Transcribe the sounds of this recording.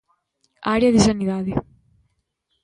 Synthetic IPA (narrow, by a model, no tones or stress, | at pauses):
aɾjaðisaniðaði